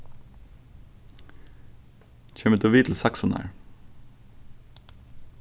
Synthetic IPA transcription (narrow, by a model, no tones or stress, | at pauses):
c͡çʰeːmət̪ʰoːʋiːt̪ʰl̩sæksɔnæ̰ɹ